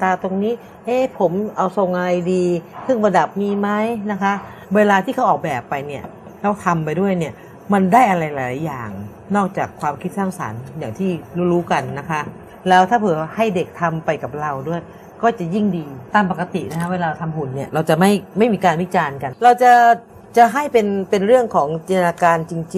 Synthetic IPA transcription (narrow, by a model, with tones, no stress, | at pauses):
t̪aː˧t̪o˧ŋniː˦˥ | ʔeː˧˥˩pʰo˩˦mʔa˧wso˨˩ŋʔa˧ɾa˧jdiː˧sʰɯ˥˩ŋbɔː˧nda˨˩p̚miː˧ma˦˥jna˦˥kʰa˦˥ʔ | weː˧laː˧t̪ʰiː˥˩kʰa˦˥wʔɔː˨˩k̚bɛː˨˩pːa˧jni˥˩ɐ | ɾɛː˦˥wt̪ʰa˧mpa˧jdu˥˩əjni˥˩ɐ | ma˧ndaː˥˩jʔa˧ɾa˧jlaː˨˦laː˨˦jaː˨˩ŋ | nɔː˥˩k̚t͡ɕaː˨˩kʰwaː˧mkʰi˦˥t̪̚saː˥˩ŋsa̰˩˦njaː˨˩ŋt̪ʰiː˥˩ɾuː˧˥˩ɾuː˦˥ka˧nːa˦˥kʰa˦˥ʔ | lɛː˦˥wt̪ʰaː˥˩pʰɯː˩˦ha˥˩jde˨˩k̚t̪ʰa˧mpa˧jka˨˩p̚ɾa˧wdu˥˩əj | kɔː˥˩t͡ɕa˨˩ji˥˩ŋdiː˧t̪aː˧˩mpa˨˩ka˧t̪ḭ˨˩na˦˥kʰa˦˥weː˧laː˧t̪ʰa˧mu˨˩nːi˥˩ɐɾa˧wt͡ɕa˨˩ma˥˩jma˥˩jmiː˧kaː˧nwi˦˥t͡ɕaː˧nka˧nɾa˧wt͡ɕa˨˩ | t͡ɕa˨˩ɦa˥˩jpe˧npe˧nɾɯ˥˩əŋkʰɔː˩˦ŋt͡ɕi˧nt̪ʰa˧aː˧kaː˧nt͡ɕi˧ŋt͡ɕi˧